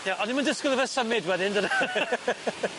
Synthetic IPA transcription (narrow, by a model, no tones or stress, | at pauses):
jaʔɔnimandəskwɪlˠəvəsəmɪdwɛðɪndəna